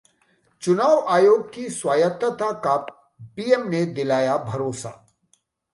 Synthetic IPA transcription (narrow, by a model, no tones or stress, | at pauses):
t͡ʃʊnaːʋaːjoːɡ̚kiswaːjət̪ət̪akaːp | piːemned̪ɪlaːjabʱɐɾoːsa̰ː